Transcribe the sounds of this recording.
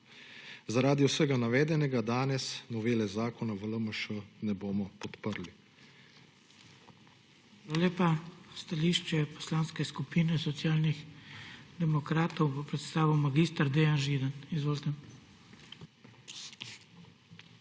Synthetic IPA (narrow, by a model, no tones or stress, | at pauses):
zaɾaːd̪iwsəɡanaʋɛːd̪ɛnɛɡad̪aːnɛsnɔʋeːlɛzaːkɔnaʋələməʃənɛboːmɔpɔt̪pəɾli | aːlaleːpast̪aliːʃt͡ʃɛpɔ̥slaːnskɛskupiːnɛsɔt̪sjaːlnix | d̪ɛmɔkɾaːt̪ɔwbɔpɾɛt̪st̪aːʋiwmaɡiːst̪aɾd̪ejanʒiːd̪anizʋoːlt̪ɛm